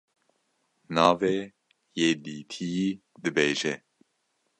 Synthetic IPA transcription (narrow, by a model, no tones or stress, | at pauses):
nɑːve | jeːd̪iːt̪ʰiji | d̪ɨbeːʒɛ